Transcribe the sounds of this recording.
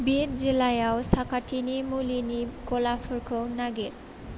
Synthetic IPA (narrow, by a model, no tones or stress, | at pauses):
biɾd͡ʑelajaosakʰaʈʰinimulinikolafoɾkʰownaɡeɾ